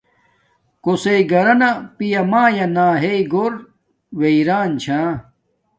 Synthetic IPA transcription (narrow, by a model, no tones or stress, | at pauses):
koseiɡɐɾɐnapijɐmaːjɐnaːɦeiɡoɾ | weiɾaːnt͡ɕʰãː